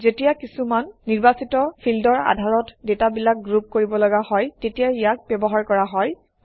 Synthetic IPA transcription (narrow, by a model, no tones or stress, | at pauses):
zetijakisumanːiɹbasitɔpʰildɔɹa̰dʱaɹɔtdetabilak̚ɡɹup̚koɹibɔlɔɡahɔjtetijaijak̚bɔbɔɦaɹkɔɹaɦɔj